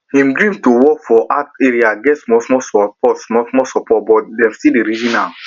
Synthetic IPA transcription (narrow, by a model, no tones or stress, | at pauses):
hĩmdɹĩmtowɔkfɔʔateɾiaɡɛtsmɔsmɔsɔpɔtsmɔsmɔsɔpɔt̚bɔtdɛ̃mstideɾid͡ʒĩna